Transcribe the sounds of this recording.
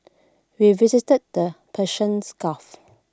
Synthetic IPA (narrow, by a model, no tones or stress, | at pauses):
wivɪzɪtəd̚dəpʰɛʃə̃nskaf